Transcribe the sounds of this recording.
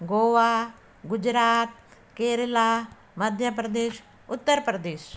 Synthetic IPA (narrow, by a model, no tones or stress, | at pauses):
ɡoːʋaː | ɡʊd͡ʒɾaːt̪̚ | keːɾəlaː | mɐd̪ʱjəp̬ɾəd̪eːʃ | ʊt̪ːəɾpɾɐd̪eːʃ